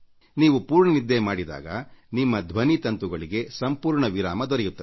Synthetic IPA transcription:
niːʋupuːɾɳɐnid̪ːemaːɽid̪a̰ːɡɐ̰nimːɐd̪ʱʋɐnit̪ɐnt̪uɡɐɭiɡe̞sɐmpuːɾɳɐʋiɾa̰ːmɐd̪ɔɾɛjut̪ːɐ

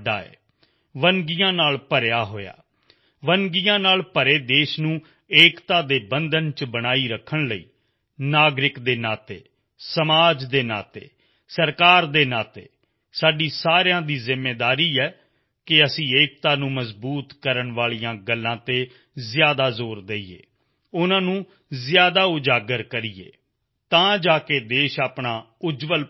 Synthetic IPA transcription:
ɖa̰ːḛː | ʋəŋɡijãːnaːlpəɾjaːɦoːja̰ː | ʋənɡijãːnaːlpəɾeːd̪eːʃnũː | eːkt̪aːd̪eːbənd̪ənt͡ʃbəñaːiːɾəkʰːəɳləḭː | naːɡɾɪkd̪eːnaːt̪ḛː | səmaːd͡ʒd̪eːna̰ːt̪ḛː | səɾkaːɾd̪eːnaːt̪ḛː | saːɖiːsaːɾjãːd̪iːzɪmːeːd̪aːɾiːɛː | kɪəsĩːeːk̚t̪aːnũːməzbuːt̪kəɾəɳʋaːɭijãːɡəlːãːt̪eː | zjaːd̪aːzoːɾd̪eːiːḛː | ʊnãːnũː | zɪjaːd̪aːʊd͡ʒaːɡəɾkəɾiːḛː | t̪ãːd͡ʒaːkeːd̪eːʃaːpɳaː | ʊd͡ʒʋəl

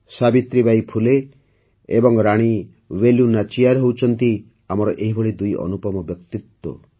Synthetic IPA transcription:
sabit̪ɾibajpʰuleː | bɔŋɾaɽ̃i | weljunat͡ʃijaɾɦowt͡ʃʰɔnt̪i | amɔɾɔʔeɦibʱɔɭid̪ujɔ̰nupɔmɔbjɔk̚t̪it̪wɔ̰

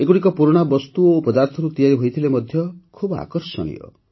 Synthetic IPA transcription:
ekuɽikɔpuɾoɽ̃abɔst̪uopɔd̪aɾt̪ʰɔɾut̪ijaɾiɦojt̪ʰilemɔd̪ʱjɔkʰuba̰kɔɾsɔ̰nḭɔ̰

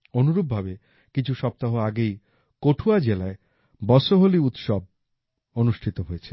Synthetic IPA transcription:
onuɾub̚bʱabe | kit͡ɕʰuʃɔp̚t̪aɦoaɡej | koʈʰuad͡ʑelae | bɔʃoɦoliut̪ʃɔb̚ | onuʃʈʰit̪oɦojet͡ɕʰe̥

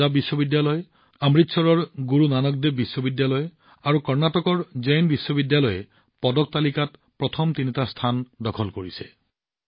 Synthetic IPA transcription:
abisɔbidjalɔje | amɹit̪sɔɹɔɹɡuɹunanɔk̚d̪ebisːɔbidjalɔje | aɹukɔɹnatɔkɔɹd͡ʒejnbisːɔbidjalɔje | pɔdɔk̚t̪alikat | pɹɔt̪ʰɔmt̪init̪ast̪ʰandɔkʰɔlkoɹise̥

